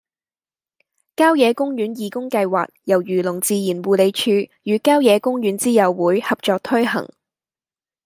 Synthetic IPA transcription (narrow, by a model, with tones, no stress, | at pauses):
kaː˥wjɛː˨˧kʊ˥ŋjyː˨˥njiː˨˩kʊ˥ŋkɐ˧jwa̰ː˨k̚jɐ˨˩wjyː˨˩lʊ˨˩ŋt͡siː˧jiː˨˩nwuː˨˧le˨˧jt͡ʃʰyː˧jyː˨˧kaː˥wjɛː˨˧kʊ˥ŋjyː˨˥nt͡siː˥jɐ˨˧wwuː˨˥jhɐ˨p̚t͡ʃɔː˨k̚t̪ʰɵ˥ɥhɐ̰˨˩ŋ